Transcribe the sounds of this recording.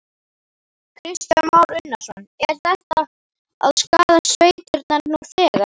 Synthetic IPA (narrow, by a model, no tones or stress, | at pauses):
kʰɾɪst̪amawlʏnːḁsɔnɛɾ̥θɛht̪a | a̰ðskaːðasveːjt̪ʏɾt̪naɾnuθɛːɣḁ